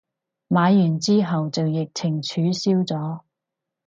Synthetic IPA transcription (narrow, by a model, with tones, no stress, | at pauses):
maː˨˧jːyː˨˩nt͡siː˥ɦɐ˨wt͡sɐ˨wjɪ˨k̚t͡sʰɪ˨˩ŋt͡ʃʰyː˨˥siː˥wt͡sɔː˨˥